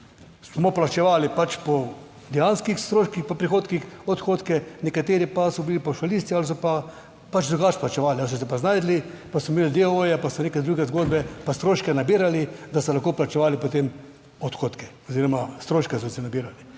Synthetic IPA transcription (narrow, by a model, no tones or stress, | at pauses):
smɔplat͡ʃɛʋaːlipat͡ʃpɔ | d̪ɛjanskixst̪ɾoːʃkixpapɾixoːt̪kixɔt̪xoːt̪kɛnɛkat̪eːɾipasɔbilipɐʃaliːst̪ials̬ɔpa | pat͡ʃd̪ɾuɡaːt͡ʃplat͡ʃɛʋaːlials̬ɔs̬ɛpaznaːjd̪lipasɔimeːlid̪eoojapasɔneːkɛd̪ɾuːɡɛzɡoːd̪bɛpast̪ɾoːʃkɛnabiːɾalid̪ast̪ɔlaxkoːplat͡ʃɛʋaːlipɔt̪em | ɔt̪xoːt̪kɛɔziːɾɔmast̪ɾoːʃkɛsɔsɛnabiːɾali